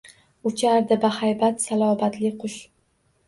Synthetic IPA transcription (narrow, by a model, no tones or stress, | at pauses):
ʊt͡ʃʰaɾd̪ɪbahajbat̪salˠɒbat̪lɪqʰʊʃ